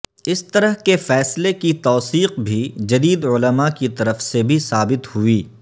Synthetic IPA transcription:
ɪst̪ɐɾəɦkefɛːslekit̪ɔːsiːqbʱid͡ʒɐd̪iːd̪ʊləmakit̪ɐɾəfsebʱisaːbɪt̪huiː

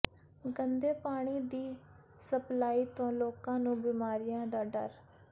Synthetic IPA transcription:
ɡənd̪eːpaːɽ̃iːd̪iː | səplaːiːt̪õːloːkãːnũːbiːmaːɾɪjãːd̪aːɖə̰ɾ

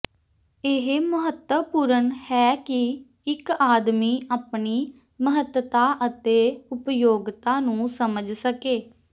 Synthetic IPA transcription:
ɪɦeməɦət̪əpuːɾəɳhɛːkɪ | ɪkaːd̪miːʔaːpɳiː | məɦət̪ət̪aːʔət̪eːʊpjoːɡt̪aːnũːsəməd͡ʒsəkeː

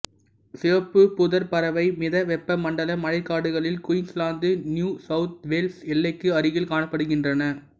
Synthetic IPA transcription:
sɪɐpːɯpʊðɐɾpɐɾɐʋɐɪmɪðɐʋɛpːɐmɐɳɖɐlɐmɐɻɐɪkːaːɽɯɣɐɭɪlkʊjɪŋslaːnd̪ɯnjuːsɐʊt̪̚ʋeːlsɛlːɐɪkːɯɐɾɯɣɪlkaːɳɐpːɐɽɯɣɪndrɐnɐ

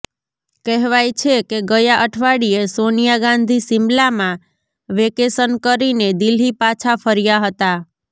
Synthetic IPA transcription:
kɛɦʋajt͡ʃʰekeɡəjaʔəʈʰʋaɽiesonijaɡãnd̪ʱisɪmlamã | ʋekesənkəɾined̪ilipat͡ʃʰafʰəɾijaɦət̪a

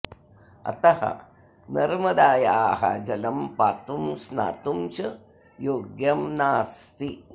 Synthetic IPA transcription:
ɐ̰t̪ɐhɐ̰ | nɐɾmɐd̪aːjaːɦɐ̰d͡ʒɐlɐmpaːt̪umsna̰ːt̪umt͡ʃɐ | joːɡjɐmnaːst̪i

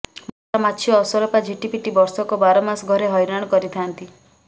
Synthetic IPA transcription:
mɔoʈamatt͡ʃʰjɔːsɔɾɔpad͡ʒiʈipiʈibɔɾsɔkɔbaɾɔmasɡʱɔɾeɦɔjɾaɽ̃ɔkɔɾit̪ʰant̪i

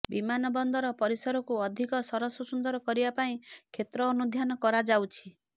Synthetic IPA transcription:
bimanɔbɔnd̪ɔɾɔpɔɾisɔɾɔkuɔd̪ʱikɔsɔɾɔsɔsund̪ɔɾɔkɔɾibapaĩkʰet̪ɾɔːnud̪ʱjanɔkɔɾad͡ʒawt͡ʃʰi

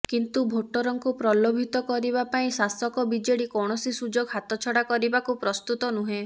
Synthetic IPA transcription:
kint̪ubʱoʈːɔɾɔŋkupɾɔlobʱit̪ɔkɔɾibapaĩsasɔkɔbid͡ʒeɽikɔɽ̃ɔsisud͡ʒoɡɦat̪ɔt͡ʃʰɔɽakɔɾibakupɾɔst̪ut̪ɔnuɦẽ

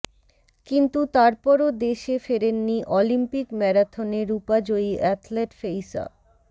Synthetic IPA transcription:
kint̪ut̪aɾpɔɾod̪eʃefeɾenːiʔɔlimpikmɛɾat̪ʰoneɾupad͡ʑoiʔɛt̪ʰleʈfejsa̰

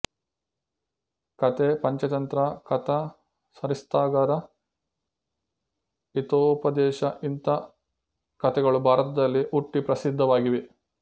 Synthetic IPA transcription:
kɐt̪epɐɲt͡ʃɐt̪ɐnt̪ɾɐkɐt̪ɐ | sɐɾist̪aːɡɐɾɐ | it̪oːpɐd̪ɛːʃɐʔint̪ɐ | kɐt̪ɛɡɐɭubʱaːɾɐt̪ɐd̪ɐlːiʔuʈːipɾɐsid̪ʱːɐʋaːɡiʋe

